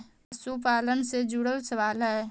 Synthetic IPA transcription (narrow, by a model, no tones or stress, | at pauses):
sup̬aːlənsed͡ʒuːɽəlsəʋaːlɦɛː